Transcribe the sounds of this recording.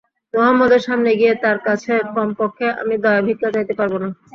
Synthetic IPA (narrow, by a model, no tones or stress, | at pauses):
mɔɦamːod̪eɾʃamneɡijet̪aɾkat͡ɕʰekɔmpokʰːeʔa̰mid̪ɔeabʱikːad͡ʑajt̪epaɾbona